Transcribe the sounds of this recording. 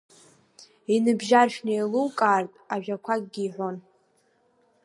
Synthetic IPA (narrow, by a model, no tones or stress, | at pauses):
inɨbʒarʃᶣnejluwkʼaːrtʼaʒᶣakʷʰaɡʼɡʲiːħʷo̞n